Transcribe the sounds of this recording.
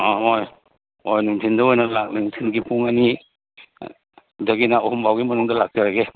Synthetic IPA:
aoj | ojnuŋtʰindɐojnɐlak̚nuŋtʰinɡipuŋani | dɐɡinaoɦumbawɡimɐnuŋdɐlak̚taɾaɡe

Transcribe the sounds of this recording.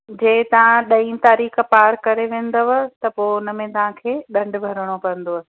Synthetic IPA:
d͡ʑeːt̪ɐʋ̤ãɗɐĩt̪aːɾiːxpaːɾkɐɾeʋẽːn̆d̪oʋɐt̪ɐpoʊnəmẽt̪ɐʋ̤ãkʰeːɗɐ̃ɳɖbʱɐɾəɽ̃opɐə̃n̆d̪oɐ

